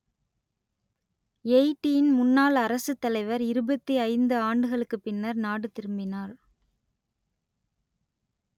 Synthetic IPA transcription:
eɪʈːijɪnmʊnːaːlɐɾɐsɯt̪ːɐlɐɪʋɐɾɪɾɯbɐt̪ːiɐɪnd̪ɯaːɳɖɯɣɐɭɯkːɯpːɪnːɐɾnaːɽɯt̪ɪɾɯmbɪnaːɾ

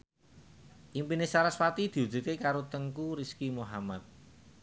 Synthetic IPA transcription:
ʔimpinesaɾaswat̪id̪̥i̤udd͡ʒṳt̪̚kekaɾot̪əŋkuɾiskimoɦamat̪̚

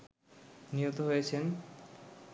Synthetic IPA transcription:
niɦot̪oɦojet͡ɕʰen

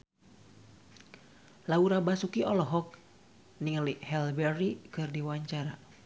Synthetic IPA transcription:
lauɾabasukiɔlɔɦɔk̚ | niŋlihɛlbɛrikɨrdiwaɲt͡ʃaɾa

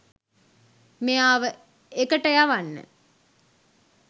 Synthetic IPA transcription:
mejaːʋə | ekəʈəjaʋanːə̰

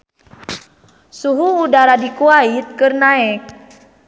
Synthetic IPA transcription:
suɦuːdaɾadikuait̪̚kɨrnaɛk̚

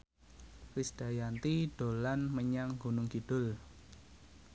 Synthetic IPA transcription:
rɪsd̥a̤jant̪iɖ̥o̤lanməɲaŋɡunʊŋɡiɖ̥ʊ̤l

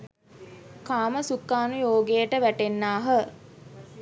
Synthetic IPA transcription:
kaːməsukːaːnujoːɡejəʈəʋæʈenːaːɦə

